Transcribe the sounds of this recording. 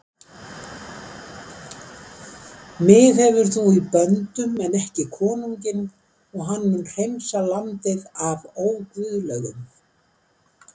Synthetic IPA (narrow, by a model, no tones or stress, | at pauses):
mɪðhɛvʏɾ̥θuipœnt̪ʏmɛnɛhcɪkʰɔːnuɲcɪn | ɔɣɦanːmʏnr̥ejnsalamt̪ɪðavoːwkvʏðlœɣʏm